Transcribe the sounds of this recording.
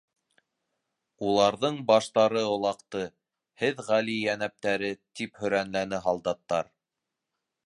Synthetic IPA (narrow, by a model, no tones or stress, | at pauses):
ulˠɑɾðɤɴbɑʃt̪ɑɾɤŏlˠɑqt̪ɤ | hɘðʁælijænæp̚t̪æɾɘt̪iphɵ̆ɾænlænɘɦɑlˠd̪ɑt̪ːɑɾ